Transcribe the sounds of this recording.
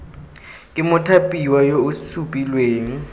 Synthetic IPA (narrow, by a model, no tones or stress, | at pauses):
kʼɪmʊtʰapʼiwajousupʼilweːŋ̩